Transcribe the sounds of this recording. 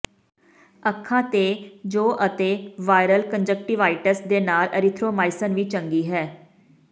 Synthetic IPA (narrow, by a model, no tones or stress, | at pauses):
əkʰːãːt̪eːd͡ʒoːʔət̪eːʋaːɪɾəlkənd͡ʒək̚ʈɪʋaːɪʈəsd̪eːnaːlə̰ɾɪt̪ʰɾoːmaːɪsənʋiːt͡ʃəŋɡiːɦɛː